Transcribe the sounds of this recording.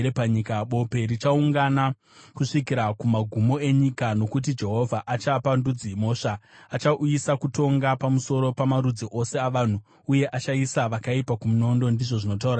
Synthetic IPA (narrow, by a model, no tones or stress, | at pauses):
epaɲikaɓo̞pe̞ɾit͡ʃauŋɡana | kuʂikiɾakumaɡʱumo̞e̞ɲikano̞kut̬id͡ʒe̞ɦo̞vʱaʔat͡ʃapandud͡zimo̞ːʂaat͡ʃaʔujisakuto̞ŋɡapamuso̞ɾo̞pamaɾud͡ziʔo̞se̞aʋan̤u | uje̞ʔat͡ʃaisaʋakaipakumuno̞ndo̞ndiʐo̞ʐino̞t̬auɾa